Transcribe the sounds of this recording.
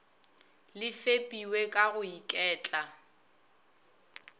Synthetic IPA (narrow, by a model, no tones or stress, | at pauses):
lɪfepʼiwekʼaɣʊikʼɛːt͡ɬʼa